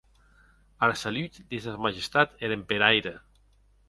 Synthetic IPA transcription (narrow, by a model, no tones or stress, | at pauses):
aɾasalyt̪d̪ezðamaʒest̪at̪eɾempeɾajɾe